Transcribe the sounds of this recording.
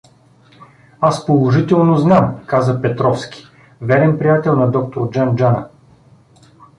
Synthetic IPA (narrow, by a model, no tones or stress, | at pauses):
aspolˠoʒit̪ɛlˠnoznamkazəpɛt̪ɾɔfskʲi̥ | vɛɾɛnpɾijat̪ɛlˠnɐd̪ɔk̚t̪oɾd͡ʒand͡ʒanə